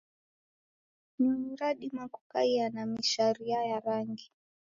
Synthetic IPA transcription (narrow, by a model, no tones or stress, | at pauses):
nim̩ɾaɗimakukaianamiʃaɾiajaɾaŋɡi